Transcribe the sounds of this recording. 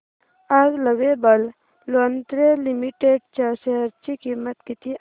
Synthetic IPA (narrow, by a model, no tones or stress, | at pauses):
aɡləɡebəl | loənt̪ɾelimiʈeːɖt͡ʃaʃeɦəɾt͡ʃikimːət̪kit̪ʰi